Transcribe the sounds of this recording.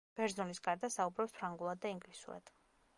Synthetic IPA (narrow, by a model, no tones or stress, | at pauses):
b̥ɛɾzulisɡaɾd̪asaubɾɔpspʰɾaŋɡulˠad̪ːaiŋɡlisṵɾa̰d̪̥